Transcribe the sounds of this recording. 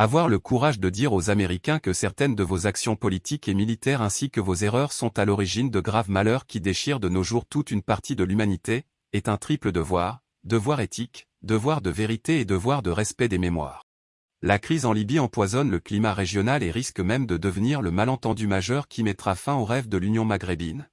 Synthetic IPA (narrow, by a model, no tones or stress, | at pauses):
avwaʁləkuʁaʒd̪əd̪iʁozameʁikʲɛ̃kəsɛʁt̪ɛnd̪əvozaksjɔ̃pɔlit̪ikemilit̪ɛʁɛ̃sikəvozeʁœʁsɔ̃t̪alɔʁiʒind̪əɡʁavmalœʁkʲid̪eʃiʁd̪ənoʒuʁt̪ut̪ynpaʁt̪ʰid̪əlymanit̪e | ɛt̪ɛ̃t̪χipləd̪əvwaʁ | d̪əvwaʁet̪ʰik | d̪əvwaʁd̪əveʁit̪eːd̪əvwaʁd̪əʁɛspɛd̪ememwa̰ːʁ | lakχizɑ̃libiɑ̃pwazɔnləklimaʁeʒjɔnaleʁiskmɛmd̪əd̪əvniʁləmalɑ̃t̪ɑ̃d̪ymaʒœʁkʲʰimɛt̪χafɛ̃oʁɛvd̪əlynjɔ̃maɡʁebin